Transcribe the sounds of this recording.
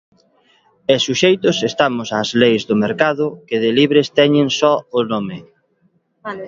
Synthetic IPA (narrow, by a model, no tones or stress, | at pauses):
esuʃejt̪ʊsest̪amʊsaːzlejzðʊmeɾkaðʊkɪðeliβɾest̪ɛɲɪŋsɔʊnomɪ